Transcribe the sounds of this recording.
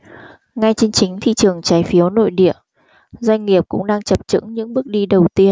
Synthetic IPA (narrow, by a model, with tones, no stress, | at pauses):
ŋa˧jt͡ɕe˧nt͡ɕï˨˦ŋ̟t̪ʰḭ˧˨t͡ɕɨ˨˩əŋt͡ɕaː˨˦jfi˨˦əwno̰˧˨jɗḭ˧˨ə | zwa˧jŋ̟ŋi˨˩əp̚kʊ̰˧˥ŋ͡mɗaː˧ŋt͡ɕə˨˩p̚t͡ɕɨ̰˧˥ŋɲɨ̰˧˥ŋɓɨ˦˥ək̚ɗi˧ɗə˨˩wt̪i˧ən